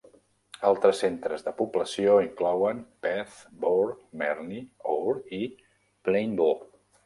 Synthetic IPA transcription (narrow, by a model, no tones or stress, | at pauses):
alˠt̪ɾəsent̪ɾəzðəpubləsioiŋklɔwəmpɛθboɾmɛɾnioɾi | plejmbo